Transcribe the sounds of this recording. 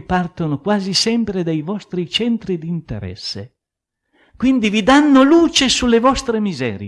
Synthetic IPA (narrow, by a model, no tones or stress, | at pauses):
part̪onokwaːzisɛmpɾed̪ejvɔst̪ɾit͡ʃɛnt̪ɾid̪int̪ḛɾɛ̰sːḛ | kwind̪ivid̪anːoluːt͡ʃesulːevɔst̪ɾemizɛ̰ːɾje